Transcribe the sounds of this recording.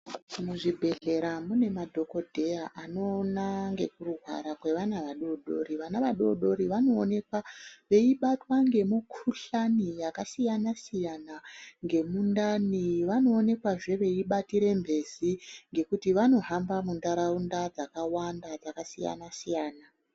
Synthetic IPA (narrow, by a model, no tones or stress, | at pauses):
muʐibʱe̞ɮe̞ɾamune̞madʱo̞ko̞dʱe̞jaʔano̞ːnaŋɡe̞kuruɦwa̰ɾakwe̞ʋanaʋaɗo̞ɗo̞̰ɾiʋanaʋaɗo̞ɗo̞ɾiʋano̞ːne̞kwaʋe̞iɓatwaŋɡe̞mukʰuɬanijakasijanasijanaŋɡe̞mundaniʋano̞ːne̞kwaʐe̞ʋe̞iɓatiɾe̞mbʱe̞ziŋɡe̞kutiʋano̞ɦambamundaɾaundad͡zakawandad͡zakasija̰nasijaːna